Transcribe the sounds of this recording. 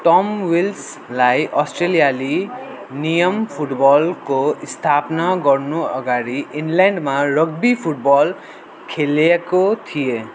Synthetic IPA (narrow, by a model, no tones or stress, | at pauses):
ʈʌmwils | lajʔʌsʈrelijali | nijʌmpʰuʈbɔlkoist̪ʰapnaɡʌrnuʌ̰ɡaɾiinlaɳɖmarʌɡ̚bipʰuʈ̚bɔl | kʰelekot̪ʰie